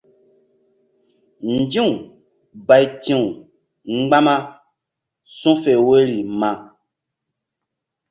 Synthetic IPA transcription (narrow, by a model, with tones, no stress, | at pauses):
n̩˨d͡ʒĩ˦ũ˨ | ba˨jtĩ˦ũ˨ | ŋ͡m̩˦ɡ͡ba˦mã˦ | sũ˦fe˨we˦ɾi˨mã˨